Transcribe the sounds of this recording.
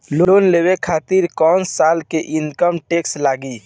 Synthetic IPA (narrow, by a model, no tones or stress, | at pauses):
loonlewekʰaːt̪iɾkɔːnsaːlkeʔinkəmʈekslaːɡi